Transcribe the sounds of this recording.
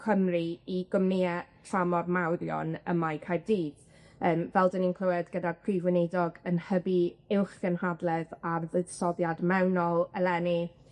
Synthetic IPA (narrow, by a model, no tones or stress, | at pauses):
kʰəmriiɡ̥ɔmneɛtʰramɔrmawɾjɔ̰nəmajkʰajrdiːd̥ | əːmvɛlˠdəninkʰlˠəwɛdɡədapʰrivwɪnedɔɡənhəbiɪwχɡ̥ənhadlˠɛðarðəðsɔðjadmɛwnɔlˠɛlˠɛni